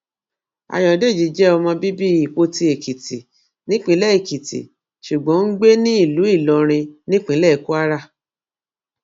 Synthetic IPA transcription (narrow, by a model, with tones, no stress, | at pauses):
a̰˨jɔ˨de˦˨d͡ʒi˨d͡ʒɛ˦ɔ˧mɔ̃˧bi˦bi˦i˦˨k͡po˧ti˧e˨ki˨ti˨ | nĩ˦k͡pĩ˧˦lɛ˦e˨ki˨tḭ˨ | ʃu˨ɡ͡bɔ̃˨˦ŋ̩˦ɡ͡be˦nĩ˦i˦˨lu˨˦i˦˨lɔ˧ɾ̃ĩ˧nĩ˦k͡pĩ˨˦lɛ˦˨ku˦a˦ɾa˦˨